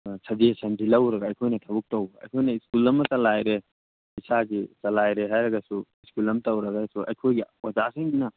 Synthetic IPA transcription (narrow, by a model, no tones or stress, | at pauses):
t͡ʃʰɐd͡ʒesɐndʱilɐwɾɐɡaːjkʰojnɐt̪ʰɐbuk̚tɐwɡɐ̰jkʰojnɐiskulɐmɐsɐlajɾe | isaɡisɐlajɾeɦajɾɐɡɐsuiskulɐmtɐwɾɐɡasuʔɐ̰jkʰojɡiwɐzasiŋɡinɐ